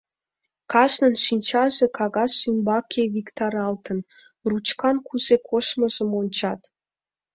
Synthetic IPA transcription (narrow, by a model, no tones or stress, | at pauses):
kɑʃnənʃinʲt͡ɕɑʒekʰɑɣɑsːymbɑkʰeβikt̪ɑɾɑlt̪ən | rut͡ɕkɑnkʰuzekʰoʃmə̆ʒəmonʲt͡ɕɑt̪